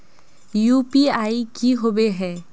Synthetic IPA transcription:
jupiajkiɦobeɦɛ

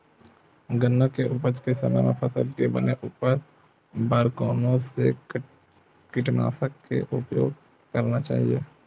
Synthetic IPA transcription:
ɡənːəkeʔʊpəɾt͡ʃkesəna̰mepʰəsəlkebəneʔupəɾ | baːɾkoːnõse | kɪʈna̰ːsəkːḛʔʊpjo̰ːɡ̚ | kəɾnat͡ʃa̰ːɦijeː

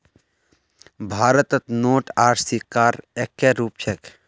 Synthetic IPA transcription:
bʱaːɾət̪ət̪noːʈaːʈʰsikːaːɾekːeɾuːp̚t͡ʃʰek

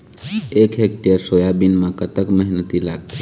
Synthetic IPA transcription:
ekʰek̚ʈijəɾsojabinmãkət̪əkməɦnət̪ila̰ɡt̪ʰi

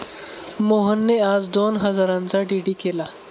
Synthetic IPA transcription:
moɦənːead͡zd̪onɦəd͡zaɾãnt͡saɖiɖikela

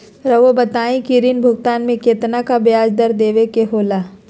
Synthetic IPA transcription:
ɾɐʋobɐt̪aːĩkiɾinbʱʊɡt̪aːnmẽkeːt̪nakabjaːd͡ʒd̪ɐɾd̪eːʋekeɦoːlaː

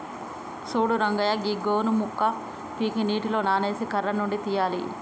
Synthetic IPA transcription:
suːɽuɾɐŋɡɐjɐɡiɡoːnumukːɐ | piːkiniːʈilo̞ːnaːne̞ːsikɐɾɐnuɳɖit̪ijaːlḭ

